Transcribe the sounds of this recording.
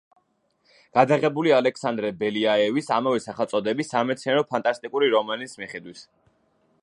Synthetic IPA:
ɡ̥ad̪aʁɛbulialɛksand̪ɾɛbɛliaɛvisamavɛsaχalˠsʼɔd̪ɛbisːamɛt̪sʰinɛɾɔpʰant̪ʼast̪ʼikʼuɾiɾɔmanismiχɛd̪wis

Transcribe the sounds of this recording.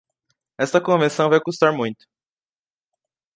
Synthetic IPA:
ɛst̪ɐkõvẽsɐ̃w̃vajkust̪aɾmũj̃t̪ʊ̥

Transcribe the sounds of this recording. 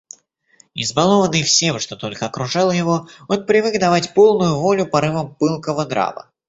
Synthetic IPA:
ɪ̰zbɐlˠo̞vənɨjfsʲe̞mʂt̪o̞t̪o̞lʲkəɐkɾʊʐɑlˠjɪvo̞onpɾʲɪvɨkd̪ɐvatʲpo̞lˠnʊjʊvolʲʊpɐɾɨvəmpɨlˠkəvəd̪ɾa̰və̰

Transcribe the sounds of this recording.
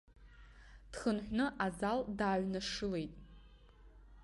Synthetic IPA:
d̥χənħʷnɨʔazaldaːʕnaʂɨle̞jtʼ

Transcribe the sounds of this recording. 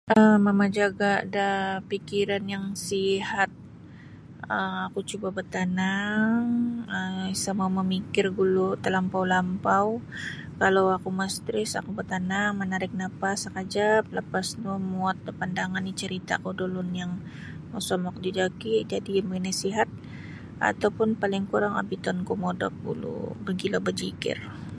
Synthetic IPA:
ʔəmamad͡ʒaɡadapikiɾanjaŋsiɦat̪̚ | əakut͡ʃubabərt̪anaŋəsəmauməmikɪrɡulut̪əlampawlampaw | kalawakumast̪ɾɪsa̰kubərt̪anaŋmənaɾɪk̚napasakad͡ʒap̚ləpasnumuat̪̚ːəpandaŋanit͡ʃəɾit̪akudolʊnjaŋ | masɔmɔk̚did͡ʒakid͡ʒadiməinasiɦat̪̚ | ʔa̰t̪awpʊnpalɪŋkuɾaŋa̰bit̪ɔnkumɔdɔ̰k̚ɡṵlṵbəɡilobəd͡ʒikɪ̰r

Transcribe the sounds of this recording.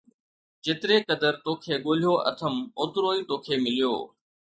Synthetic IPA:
d͡ʑeːt̪ɪɾekɐd̪əɾt̪oːkʰeːɠoːl̤ijoʔɐ̰t̪ʰəmoːt̪ɾoːit̪oːkʰeːmɪlijo̰ː

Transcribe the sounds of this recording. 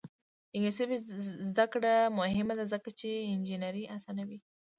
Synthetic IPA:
ɪŋesɪbzd̪akɽamʊɦɪmad̪azəkat͡ʃeɪnd͡ʒinaɾiʔasanawi

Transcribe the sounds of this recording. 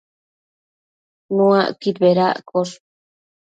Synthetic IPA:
nuaʔkit̪beɾaʔkoɾ

